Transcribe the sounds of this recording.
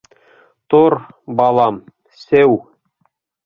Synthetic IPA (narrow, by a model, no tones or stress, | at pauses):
t̪oɾbɑlˠɑm | sæw